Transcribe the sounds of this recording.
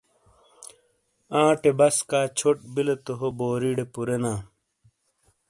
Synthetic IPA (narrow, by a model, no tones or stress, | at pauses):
ãːʈebɐskaːt͡ɕʰoʈ̚bilet̪oɦoboːɾiːɖepuɾenãː